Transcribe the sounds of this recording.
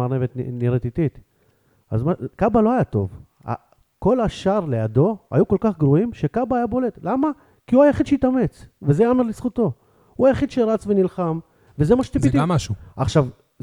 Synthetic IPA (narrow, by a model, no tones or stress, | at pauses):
aʁnevet̪niɾet̪it̪it̪ | azmakabalo̞ajat̪o̞̰v | a̰ | ko̞laʃaʁle̞jad̪o̞a̰juko̞lkaχɡʁuimʃekabaːjabo̞le̞t̪lama | kiuajaχid̪ʃeit̪ame̞t͡svezeamalisχut̪o̞ | uajaχid̪ʃeɾat͡svenilχam | ve̞zemaʃe̥t̪ipitt̪iaʃuaχʃav